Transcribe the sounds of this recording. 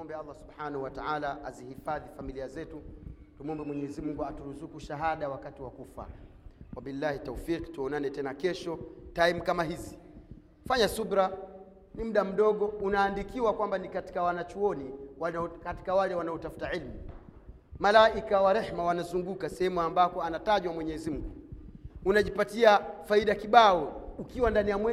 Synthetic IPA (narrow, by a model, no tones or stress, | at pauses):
mɔmbɛɑlˤːasubħaːnahuwataalaazihifaðifamiliazɛtutumuɔmbɛmwɛɲɛzimuŋɡuatuɾuzukuʃaɦaɗawakatiwakufa̰wabilːahitɔfiːqtuɔnanɛtɛnakɛʃɔtajm̩kamaɦizi | faɲasuɓɾa | nim̩ɗam̩ɗɔɠɔunaːndikiwakwambanikati̥kawanat͡ʃuɔniwakati̥kawalɛwanaɔtafu̥taʕilmi | malaʔikawaɾɛhmawanazuŋɡukasɛhɛmuambakɔanataʄwamwɛɲɛzim̩ɡu | unaʄipatiafaiɗakiɓaɔukiwandanijamwɛ